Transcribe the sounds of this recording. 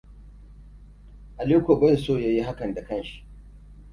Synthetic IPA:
ʔa˨leː˦kʷo˨bɐ˦˨soː˦˨ja˦ji˦ɦa˦kɐ˨nda˨kɐ˦nʃi̥˨

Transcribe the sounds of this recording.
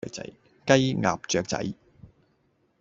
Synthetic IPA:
k̚t͡sɐ̰˨˥j | kɐ˥jŋa̰ː˨p̚t͡ʃœː˨k̚t͡sɐ̰˨˥j

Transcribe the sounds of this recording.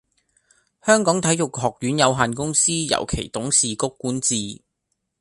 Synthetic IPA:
hœː˥ŋkɔː˨˥ŋt̪ʰɐ˨˥jʊ˨k̚ɦhɔː˨k̚jyː˨˥njɐ˨˧wɦaː˨nkʊ˥ŋsiː˥jɐ̰˨˩wkʰḛ˨˩jt̪ʊ˨˥ŋsiː˨˩kʊ˥kːuː˨˥nt͡siː˨˧

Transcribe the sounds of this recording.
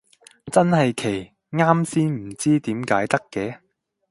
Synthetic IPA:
t͡sɐ˥nhɐ˨jkʰe˨˩j | ŋaː˥msiː˥nm̩˨˩t͡siː˥t̪iː˨˥mkaː˨˥jt̪ɐ˥kːɛː˨˧˥

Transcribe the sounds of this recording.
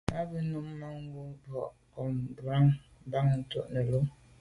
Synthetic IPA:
a˦bə˦nu˦m˦ma˦ŋ̩˦ɡu˦bɔ˨ʔ | kɔ˨mbɾa˦ŋ˦ | ba˦ŋ˦n̩˦tɔ̰˦˨ʔnə˨lo˦

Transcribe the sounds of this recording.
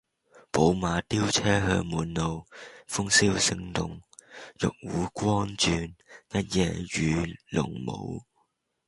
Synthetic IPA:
po˨˥wmaː˨˧t̪iː˥wt͡sʰɛː˥ɦœ̰ː˧ŋmuː˨˥nlo˨˧wfʊ˥ŋsiː˥wsɪ˧ŋt̪ʊ̰˨ŋjʊ̰˨k̚wuː˨˥kʷɔː˥nt͡ʃyː˧njɐ˥t̚jɛː˧jyː˨˧lʊ̰˨˩ŋmo̰˨˧w

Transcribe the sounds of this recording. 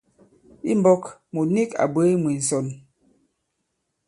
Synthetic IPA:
ḭ˦m̩˦bɔ˦kmo˨ni˦ka̰˨bə˦mwi˨n̩˨sɔ˨n

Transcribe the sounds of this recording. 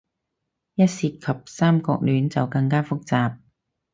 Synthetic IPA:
jɐ˥t̚siː˧t̚kʰɐ˨p̚saː˥mkɔ̰ː˧k̚lyː˨˥nt͡sɐ˨wkɐ˧ŋkaː˥fʊ˥k̚t͡saː˨p̚

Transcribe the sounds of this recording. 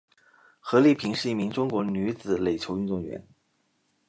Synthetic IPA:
xɤ˧˥li˥˩pʰi˧˥ŋʂɻ̩˥˧i˥˩mi˧˥ŋʈ͡ʂʊ˥ŋkwɔ˧˥ny˧˥t͡sɹ̩˨˩le˨˩ɪt͡ɕʰjo˧˥ʊy˥˧nt͡swɔ˥˩ŋɥɛ̰˧˥n

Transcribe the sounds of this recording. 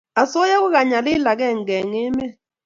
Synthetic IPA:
a˨so˦ja˦ku˦ka˨ɲa˨lɪ˦la˨k̬ɛ˦˨ŋ˨ɡɛ˨ŋɪ˦mɛ˦

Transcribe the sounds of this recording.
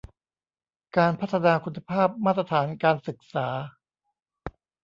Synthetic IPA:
kaː˧npʰa˦˥˩t̪ʰa˧naː˧kʰu˧nːa˧pʰaː˥˩p̚maː˥˩ɾa˧t̪ʰaː˩˦nkaː˧nsɯ˨˩k̚saː˩˦

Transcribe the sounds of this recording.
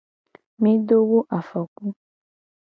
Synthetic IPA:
mĩ˦ɖo˦wo˦ʔa˨fɔ˨ku˦

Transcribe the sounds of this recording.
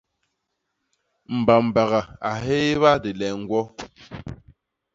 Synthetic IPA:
m̩˨ba˨m̩˨ba˨ɣa˨a˨ɦeː˦βa˦de˨lɛ˨ŋ̩˨ɡwɔ˦

